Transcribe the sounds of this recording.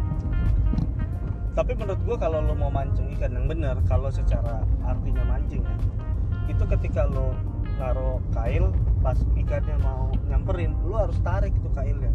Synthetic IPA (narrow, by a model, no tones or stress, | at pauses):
t̪apimənɾʊt̪̚ɡuakalolʊmaumaɲt͡ʃʊŋikanjaŋbənərkalosət͡ʃaɾaʔːrt̪iɲamaɲd͡ʒɪŋja | it̪ukət̪ikalo | ŋaɾokaɪlpasikanjaŋmauɲaŋpəɾɪnluɦaɾʊst̪aɾɪk̚it̪ukaɪlja